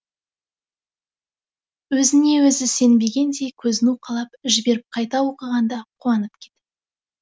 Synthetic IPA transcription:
wɵzɪne̞wɵzɪse̞nbe̞ɡʲe̞nd̪e̞kʲʰɵzɪnuqʰɑlˠɑpʒɪbe̞ɾɪp̚qʰɑjt̪ɑwo̞qəʁɑnd̪ɑqʰuɑnəp̚kʲʰe̞t̪ɪ

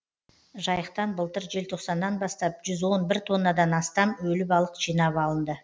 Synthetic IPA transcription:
ʒɑjəqt̪ɑnbəlˠt̪əɾʒe̞lt̪ʰo̞qsɑnːɑnbɑst̪ɑp̚ʒʏzwo̞nbɪɾt̪ʰo̞nːɑd̪ɑnɑst̪ɑmwɵlɪpɑlˠəqʒijnɑβɑlˠənd̪ə

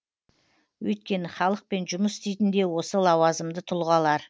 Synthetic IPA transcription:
wɵ̰jt̪kʲe̞nɪχɑlˠəq̚pe̞nʒʊməsɪst̪ejt̪ɪnd̪e̞wo̞səlˠɑwɑzəmd̪ət̪ʰʊlˠʁɑlˠɑɾ

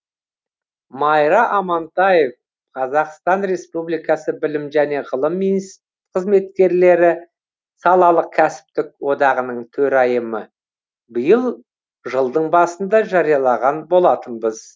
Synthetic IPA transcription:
mɑjɾɑʔɑmɑnt̪ɑjef | qʰɑzɑqst̪ɑnɾe̞spublijkɑsəbɪlɪmʒæne̞ʁəlˠəmːins | qʰəzme̞t̪̚kʲe̞ɾle̞ɾɪ | sɑlˠɑlˠəq̚kʲʰæsɪ̥pt̪ɪk̚wo̞d̪ɑʁənəɴt̪ʰɵɾɑjəmə | bəjəlˠ | ʒəlˠd̪əɴbɑsənd̪ɑʒɑɾijɑlˠɑʁɑnbo̞lˠɑt̪ənbəz

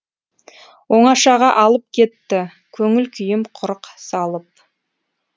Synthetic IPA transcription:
wo̞ɴɑʃɑʁɑʔɑlˠəp̚kʲʰe̞t̪ːɪ | kʲʰɵŋɪlkʲʰʏjɪmqʰʊɾəqsɑlˠəp̚

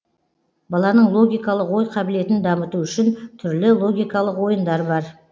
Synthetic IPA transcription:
bɑlˠɑnəɴlˠo̞ɡʲijkɑlˠəqwo̞jqʰɑbɪle̞t̪ɪnd̪ɑmət̪uʏʃɪnt̪ʰʏɾlɪlˠo̞ɡʲijkɑlˠəqwo̞jənd̪ɑɾbɑɾ

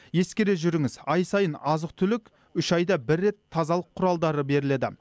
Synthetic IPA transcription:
je̞skʲe̞ɾe̞ʒʏɾɪŋɪzɑjsɑjənɑzəq̚t̪ʰʏlɪk | ʏʃɑjd̪ɑbɪɾːe̞t̪ʰːɑzɑlˠəqʰːʊɾɑlˠd̪ɑɾəbe̞ɾɪle̞d̪ɪ̰

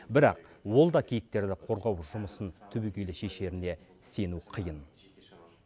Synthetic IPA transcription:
bɪɾɑq̚wo̞lˠd̪ɑkʲʰijɪk̚t̪e̞ɾd̪ɪqʰo̞ɾʁɑwʒʊməsənt̪ʰʏbekʲelɪʃe̞ʃe̞ɾɪne̞ | se̞nuqʰəjən

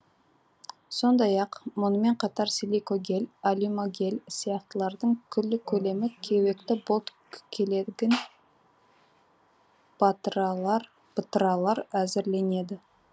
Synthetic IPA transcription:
so̞nd̪ɑjɑqmʊnəme̞ɴqʰɑt̪ɑɾsilikoɡʲe̞lʲalʲimoɡʲe̞lʲsijɑχt̪əlˠɑɾd̪əɴkʲʰʏlːɪkʲʰɵle̞mɪkʲʰewe̞kt̪ɪbolˠt̪ | kʲʰe̞leɡʲɪn | bt̪ɑɾ | b̥ət̪əɾɑlˠɑɾæzɪɾle̞ne̞d̪ɪ

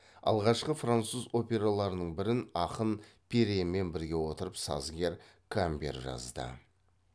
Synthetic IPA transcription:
ɑ̰lˠʁɑʃqəfrant̪suzo̞pʲe̞ɾalˠɑɾənəɴbɪɾɪnɑqənpʰeɾeme̞nbɪɾɡʲe̞wo̞t̪əɾəpsɑ̰zɡʲe̞ɾ | kʰambʲe̞̰ɾʒɑ̰zd̪ə̰

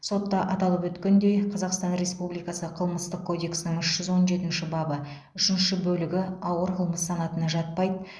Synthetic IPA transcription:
so̞t̪ːɑʔɑt̪ɑlˠəpwɵt̪kʲend̪e̞jqʰɑzɑqst̪ɑnɾe̞spublijkɑsəqʰəlˠməst̪əqkʰːo̞d̪e̞ksnɪŋʏʃʒ̥ʏzwo̞nʒe̞t̪ɪnʃɪbɑbə | ʏʃɪnʃɪbɵlɪɡʲɪɑwəɾqʰəlˠməsːɑnɑt̪ənɑʒɑt̪̚pɑjd̪ə

